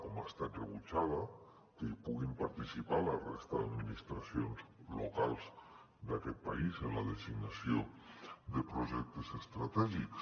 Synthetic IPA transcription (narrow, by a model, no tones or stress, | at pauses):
komast̪ad̪reβut͡ʃaða | keipuɣimpaɾt̪isipalarest̪aðad̪minist̪ɾasjonzlo̰kalˠz | d̪akɛt̪̚paizenlaðesiɡnasjod̪epɾoʒɛk̚t̪esest̪ɾat̪ɛʒiks